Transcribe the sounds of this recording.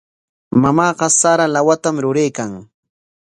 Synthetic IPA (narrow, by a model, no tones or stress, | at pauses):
mamɑːɢɑsaɾalawat̪amɾʊɾejkaŋ